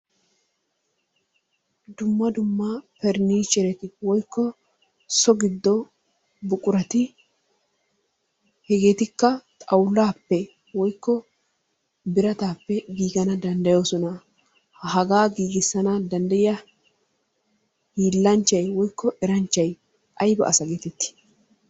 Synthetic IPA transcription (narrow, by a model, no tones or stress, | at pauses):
d̪ʊmːɐd̪ʊmːapɛɾniːt͡ʃɛɾɛt̪ɪwɔjkːɔ | sɔɡɪd̪ːɔ | bʊkʼʊɾɐt̪ɪ | hɛɡe̞ːt̪ɪkːɐt̪ʼɐwlːaːpːɛ | wɔjkːɔ | bɪɾɐt̪aːpːɛɡiːɡɐnɐd̪ɐnd̪ɐjoːsɔnɐ | hɐɡaːɡiːɡɪsːɐnɐd̪ɐnd̪ɐjɪɐ | hiːlːɐnt͡ʃːɐjwɔjkʰːɔʔɛɾɐnt͡ʃːɐj | ʔɐjbɐ̰ʔɐ̰sɐɡeːt̪ɛt̪ːɪ̥